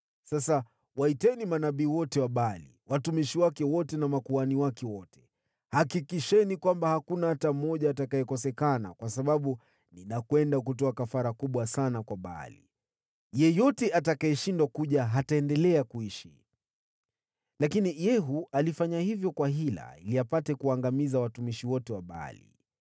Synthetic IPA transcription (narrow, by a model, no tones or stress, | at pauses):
sasa | waitɛnimanaɓiːwɔtɛwaɓaalḭwatumiʃiwakɛwɔtɛnamakuaniwakɛwɔtɛ̥ | hakikiʃɛnikwambahakunahatam̩ɔʄaːtakaɛkɔsɛkana̰kwasaɓaɓu | ninakwɛndak̬utɔakafaɾakuɓwasanakwaɓa̰a̰lḭ | jɛjɔtɛatakaɛʃindwakuʄaɦataɛndɛlɛakuiʃi | lakinijɛɦualifaɲahivjɔkwaɦila̰iliapatɛkuaŋɡamizawatumiʃiwɔtɛwaɓa̰a̰lḭ